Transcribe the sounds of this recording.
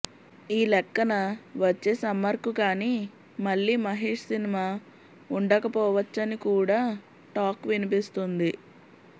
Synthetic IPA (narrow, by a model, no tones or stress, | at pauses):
iːlɛkːɐnɐʋɐt͡ʃːeːsɐmːɐɾkukaːniː | mɐɭːiːmɐɦiːʂɐsinimaː | uɳɖɐkɐpɔːʋɐt͡ʃːɐnikuːɽaː | ʈaːkʋinipist̪und̪i